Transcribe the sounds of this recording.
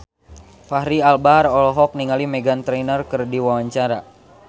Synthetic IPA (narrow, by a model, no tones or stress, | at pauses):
fahɾialbaɾɔlɔɦɔk̚niŋalimɛɡant̪ɾɛnərkɨrdiwawaɲt͡ʃaɾa